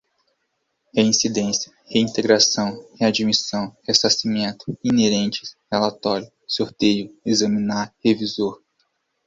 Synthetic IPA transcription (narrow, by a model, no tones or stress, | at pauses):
heĩsid̪ẽsjɐheĩnt̪eɡɾasɐ̃w̃head͡ʒimisɐ̃w̃hesasimẽnt̪ʊ̥ineɾẽnt͡ʃɪ̥helat̪ɔɾjʊ | soɾt̪ejʊezɐmĩnaɾhevizoɾ